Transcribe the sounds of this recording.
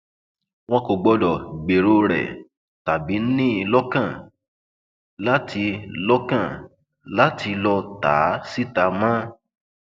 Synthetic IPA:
w̃ɔ̃˧ko˨ɡ͡bɔ˧dɔ˨ɡ͡be˨ɾo˧˦ɾɛ̰˨ | ta˨bi˨˦n̩˦nĩ˦˧lɔ˦kã˦˨ | la˦tʰi˧lɔ˦kã˦˨ | la˦tʰi˧lɔ˧ta̰˨˦si˦ta˨˦mã˦

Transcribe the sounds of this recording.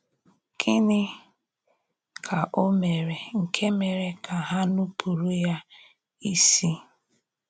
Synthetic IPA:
kʰɪ˦nɪ˦ | kʰa˨ʔo˦me˨ɾe˨ŋ̩˨kʰe˦me˨ɾe˨kʰa˨ɦa˦nu˦pʰu˨ɾu˦ja˦ | i˦si˦

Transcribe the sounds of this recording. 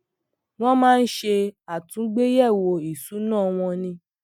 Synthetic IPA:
w̃ɔ̃˦mãː˦˧n̩˦ʃe˧a˨tũ˨˦ɡ͡be˦jɛ˦˨wo˧i˨su˨˦nãː˦˨w̃ɔ̃˧nĩ˧

